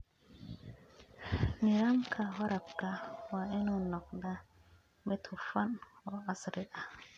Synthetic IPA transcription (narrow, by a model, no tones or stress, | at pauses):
niɾamkʰawaɾapkawaenunɔk̚nda | met̪ʰufanɔasɾiʔa